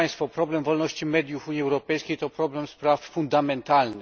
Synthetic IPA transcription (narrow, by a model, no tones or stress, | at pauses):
j̃st̪fɔpɾɔblɛmvɔlnɔɕt͡ɕimɛd̪ʲjufuɲiɛwɾɔpɛjskʲejt̪ɔpɾɔblɛmspɾaffund̪amɛnt̪alnɘ